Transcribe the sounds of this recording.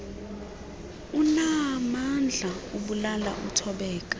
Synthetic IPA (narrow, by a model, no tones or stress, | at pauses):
unamand͡ɮʱauɓulala̰ʔṵm̩tʰɔɓɛːk̬ʼḁ